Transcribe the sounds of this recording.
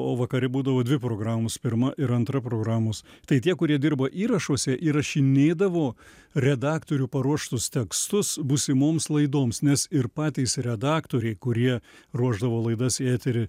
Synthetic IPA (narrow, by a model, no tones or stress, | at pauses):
oːʋɐkɐɾʲɪbuːd̪ɐʋoːd̪ʲʋʲɪpɾoːɡɾɑːmʊspʲɪɾmɐʔɪɾɐnt̪ɾɐpɾoːɡɾɑːmoːst̪ɐɪt̪ʲiɛkʊɾʲiɛd̪ʲɪɾrbɐʔiːɾɐʃuɔsʲɛʔiɾɐʃʲɪnʲeːd̪ɐʋoː | ɾʲɛd̪ɑːkt̪oːɾʲupɐɾuɔʃt̪ʊst̪ʲɛkst̪ʊsbusʲɪmoːmslˠɐɪd̪oːmsnʲɛsɪɾpɑːt̪ʲɛːsɾʲɛd̪ɑːkt̪oːɾʲɛɪkʊɾʲiɛruɔʒd̪ɐʋoːlˠɐɪd̪ɐsæːt̪ʲɪɾʲɪ